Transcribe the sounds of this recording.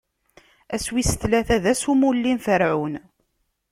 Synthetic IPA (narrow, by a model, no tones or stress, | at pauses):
æswisə̥θlæθæðæsumulːinfəɾʕun